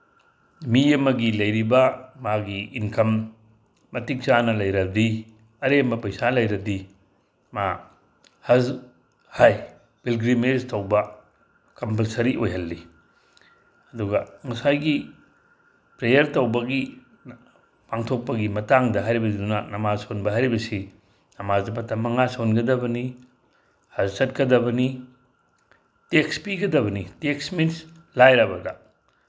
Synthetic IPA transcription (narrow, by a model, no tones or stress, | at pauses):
miɐmɐɡilɐjɾibɐmaɡiinkʰɐmː | ɐtik̚t͡ʃanɐlɐjɾɐdi | ɐɾemɐpɐjsalɐjɾɐdi | ma | hɐz | haj | b̥ilɡɾimestʰɐwbɐ | kɐmpɐlsɐɾiʔojɦɐlːi | ɐduɡɐŋɐsajɡi | pɾejɐɾtɐwbɐɡi | paŋtʰok̚pɐɡimɐtaŋdɐɦajɾibɐidunɐnɐmazsonbɐɦajɾibɐsi | nɐmazɐpɐtɐmɐŋasonɡɐdɐbɐni | hazsɐt̚kɐdɐbɐni | tekspiɡɐdɐβɐniteksmins | lajɾɐbɐdɐ